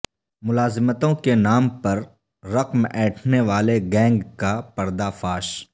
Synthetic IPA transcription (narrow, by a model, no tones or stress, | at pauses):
mʊlaːzɪmət̪õkenaːmpɐɾː | ɐqmɛːʈʰneʋaːleɡɛ̃ːŋɡkapɐɾd̪afaːʃ